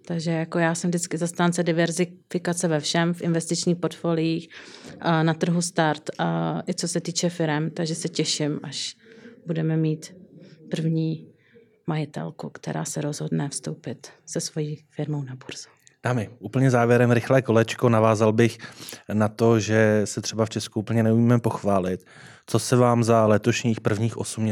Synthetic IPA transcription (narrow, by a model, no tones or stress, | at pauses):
t̪aɡʒɛjako̞jaːsɛmvdɪt͡skɪzast̪aːnt͡sɛdɪvɛɾzɪfɪkat͡sɛvɛfʃɛmfʔɪnvɛst̪ɪt͡ʃɲiːxpoɾt̪folɪjiːx | nat̪r̩ɦust̪aɾt̪ʔɪt͡so̞sɛt̪iːt͡ʃɛfɪɾɛmt̪aɡʒɛsɛcɛʃɪmʔaʃbudɛmɛmiːt̪pr̩vɲiː | majɪt̪ɛ̰lkukt̪ɛ̰ɾʔa̰ːsɛɾo̞zɦo̞dnɛfst̪owpɪt̪sɛsvo̞jiːfɪɾmownabuɾzu | d̥aːmɪʔuːpl̩ɲɛzaːvjɛɾɛmɾɪxlɛːko̞lɛt͡ʃkonavaːzalbɪxnat̪o̞ʒɛsɛt̪r̝̥ɛbaft͡ʃɛskuuːpl̩ɲɛnɛumiːmɛpo̞xvaːlɪt̪ | t͡so̞sɛvaːmzalɛt̪o̞ʃɲiːxpr̩vɲiːxʔo̞sumɲɛ